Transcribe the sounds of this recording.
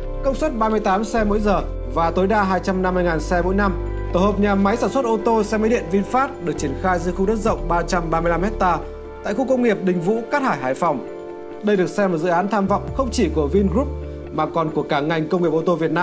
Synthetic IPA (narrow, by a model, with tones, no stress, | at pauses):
kə˧wŋ͡mswə˦˥t̚ɓaː˧mɨ˧əjt̪aː˨˦msɛ˧mo̰˧˥jzəː˨˩ | vaː˨˩t̪o˨˦jɗaː˧ɦaː˧jt͡ɕa˧mna˧mːɨ˧jŋaː˨˩nsɛ˧mo̰˧˥jna˧m | t̪o˧˩həː˨˩p̚ɲaː˨˩ma˨˦jsaː˧˩nswə˦˥t̚ʔo˧t̪o˧sɛ˧ma˨˦ɗḭ˧˨ənvi˧nfaː˦˥t̚ɗɨ˨˩k̚t͡ɕi˧˩ənxaː˧jzɨ˧xu˧ɗə˦˥t̚zə̰˧˨wŋ͡mɓaː˧t͡ɕa˧mɓaː˧mɨ˧jla˧mhɛ˦˥t̚t̪aː˧ | t̪a̰ː˧˨jxu˧kə˧wŋ͡mŋi˨˩əp̚ɗï˨˩ŋ̟vṵ˧˥kaː˦˥t̚haː˧˩jɦaː˧˩jfɔ˨˩wŋ͡m | ɗə˧jɗɨ˨˩ək̚sɛ˧mo˨˩t̚z̰ɨ̰˧˨ʔaː˨˦nt̪ʰaː˧mvɔ̰˧˨wŋ͡mxə˧wŋ͡mt͡ɕi˧˩ku˧˩əvi˧nɣɾu˦˥p̚ | maː˨˩kɔ˨˩nku˧˩əkaː˧˩ŋa˨˩jŋ̟kə˧wŋ͡mŋi˨˩əp̚ʔo˧t̪o˧vi˨˩ət̚naː˧m